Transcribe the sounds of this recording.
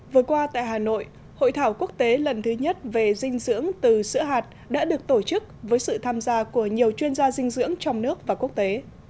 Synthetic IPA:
vɨ˨˩əkwaː˧t̪a̰ː˧˨jɦaː˨˩no̰˧˨j | ho̰˧˨jt̪ʰaː˧˩wku˦˥ək̚t̪e˨˦lə˨˩nt̪ʰɨ˨˦ɲə˦˥t̚ve˨˩zï˧ŋ̟zɨ̰˧˥əŋt̪ɨ˨˩sɨ̰˧˥əɦaː˨˩t̚ | ɗa̰ː˧˥ɗɨ˨˩ək̚t̪o˧˩t͡ɕɨ˦˥k̚vəː˨˦jsɨ̰˧˨t̪ʰaː˧mzaː˧ku˧˩əɲi˨˩əwt͡ɕwi˧ənzaː˧zï˧ŋ̟zɨ̰˧˥əŋt͡ɕɔ˧wŋ͡mnɨ˦˥ək̚vaː˨˩ku˦˥ək̚t̪e˨˦

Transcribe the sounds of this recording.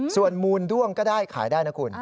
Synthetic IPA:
su˨˩ənmuː˧ndu˥˩əŋkɔː˥˩daː˥˩jkʰa̰ː˩˦jdaː˥˩jna˦˥kʰu˧n

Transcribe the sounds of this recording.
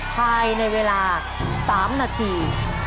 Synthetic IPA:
pʰaː˧jna˧jweː˧laː˧ | saː˩˦mnaː˧t̪ʰiː˧

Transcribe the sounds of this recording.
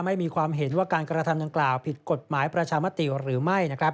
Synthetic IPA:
ma˥˩jmiː˧kʰwaː˧mɦe˩˦nwaː˥˩kaː˧nkɾa˧t̪ʰa˧mda˧ŋklaː˨˩wpʰi˨˩t̪̚ko˨˩t̪̚maː˩˦jpɾa˧t͡ɕʰaː˧ma˦˥t̪i˨˩ɾɯː˩˦ma˥˩jna˦˥kʰɾa˦˥p̚

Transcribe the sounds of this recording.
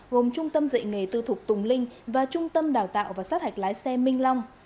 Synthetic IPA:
ɣo˨˩mt͡ɕʊ˧ŋ͡mt̪ə˧mzə̰˧˨jŋŋe˨˩t̪ɨ˧˩t̪ʰʊ˨˩k͡p̚t̪ʊ˨˩ŋ͡mlï˧ŋ̟vaː˨˩t͡ɕʊ˧ŋ͡mt̪ə˧mɗaː˨˩wt̪a̰ː˧˨wvaː˨˩saː˦˥t̚ha˨˩jk̚laː˨˦jsɛ˧mï˧ŋ̟lɔ˧wŋ͡m

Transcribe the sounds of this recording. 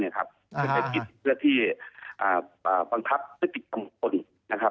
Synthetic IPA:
ni˧˥˩kʰa̰˦˥p̚ʰ | a˧˩a˧jki˨˧t̪̚pʰɯ˥˩ɐt̪ʰiː˥˩ʔaː˨˩ʔaː˨˩ba˧ŋkʰa˧˦˥p̚na˦˥t̪i˨˩t̪̚ka˧mko˧˩n | na˧kʰa˦˧p̚

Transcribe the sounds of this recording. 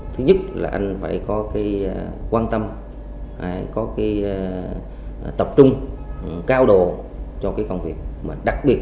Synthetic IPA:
t̪ʰɨ˨˦ɲɨ˦˥t̚la̰ː˨˩ʔa˧jŋ̟fa̰ː˧˨jkɔ˨˦kaː˨˦jkwaː˧nt̪ə˧m | ha̰ː˧˩˨jkɔ˨˦kaː˨˦j | t̪ə˨˩p̚t͡ɕʊ˧ŋ͡mkaː˧wɗo˨ | t͡ɕɔ˧kaː˨˦jkə˧wŋ͡mvi˨˩ək̚maː˨˩ɗa˨˩k̚ɓi˨˩ət̚

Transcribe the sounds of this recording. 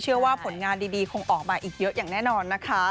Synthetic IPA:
t͡ɕʰɯ˥˩ɐwaː˥˩pʰo˨˩˦nŋaː˧ndiː˧diː˧kʰo˧ŋʔɔː˨˩k̚ma˧ʔiː˨˩k̚jɤ˦˥ʔjaː˨˩ŋnɛː˥˩nɔː˧nːa˦˥kʰa˦˥

